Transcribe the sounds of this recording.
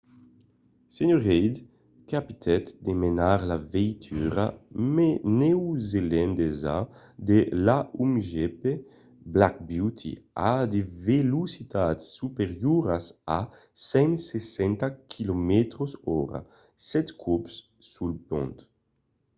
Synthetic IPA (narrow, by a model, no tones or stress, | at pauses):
seɲoʁɛjd̪ | kapit̪ʰɛt̪d̪emenaɾlavejt̪ʰyɾa̰menewzelɛnd̪eza | d̪elaumʒepe | blak̚bjut̪ʰḭad̪evelusit̪at̪sːupeɾjuɾasa | sɛnsesɛnt̪akʰilomet̪ɾosɔ̰ɾa̰ | sɛt̪kʰupsː | ulpɔ̰nt̪